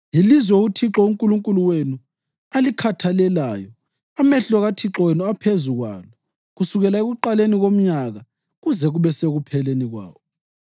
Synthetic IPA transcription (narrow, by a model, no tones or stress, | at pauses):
jilizwɛutʰiǁɔuŋkʼuluŋkʼuluwenu | alikʰatʰalɛlaːjɔ | amɛɬɔɣatʰiǁɔwenuapʰezuɣwa̰ːlɔ | ɣusuɣɛlaeɣuǃaleniɣom̩ɲaɣa | ɣuzɛɣuβɛseɣupʰɛleniɣwa̰ːwɔ